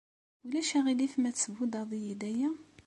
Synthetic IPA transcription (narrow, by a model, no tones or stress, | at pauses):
ulæʃæʁilifmæt͡sːəvud̪ɑðˤijid̪æjæ